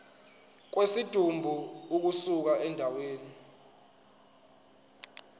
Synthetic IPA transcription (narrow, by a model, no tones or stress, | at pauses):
k̬wesid̥ʱumbʱuuk̬usuk̬aʔɛndʱaweːni